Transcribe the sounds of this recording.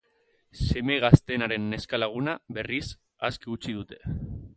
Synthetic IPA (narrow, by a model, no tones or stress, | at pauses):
se̞me̞ɣ̞ast̪enaɾe̞nːe̞skalaɣ̞unaβe̞ris | askiut͡ʃið̞ut̪e̞